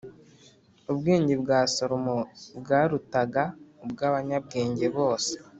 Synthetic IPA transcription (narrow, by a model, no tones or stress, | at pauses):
ubɡeːɲɟebɡaːsoɾomobɡaːɾutaɡaubɡaβaɲab̚ɡeːɲɟe̞βo̞ːse̥